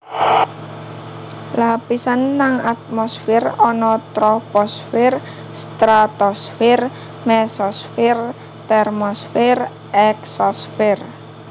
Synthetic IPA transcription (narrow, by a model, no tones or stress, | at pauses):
lapisanːaŋat̪̚mɔsfɪrɔnɔt̪ɾɔpɔsfɪr | st̪ɾat̪ɔsfɪr | mɛsɔsfɪr | t̪ɛrmɔsfɪr | ɛksɔsfɪr